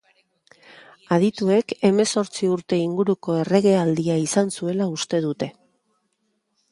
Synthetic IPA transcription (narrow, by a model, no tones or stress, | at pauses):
að̞it̪ue̞ke̞me̞so̞ɾt͡siuɾt̪e̞iŋɡuɾuko̞e̞re̞ɣ̞e̞ald̪iaisansue̞laust̪e̞ðut̪e̞